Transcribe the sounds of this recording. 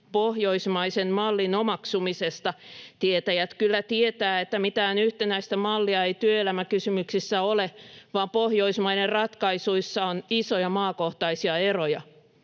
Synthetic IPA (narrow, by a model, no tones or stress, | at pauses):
poɦjoismɑisenmɑlːinomɑksumisest̪ɑt̪iet̪æjæt̪kylːæt̪iet̪æːet̪ːæmit̪æːnyht̪enæist̪æmɑlːiɑejt̪yøelæmækysymyksisːæoleʋɑːmpo̞hjo̞ismɑinerrɑt̪kɑisuisːɑonisojɑmɑːkoht̪ɑisiɑerojɑ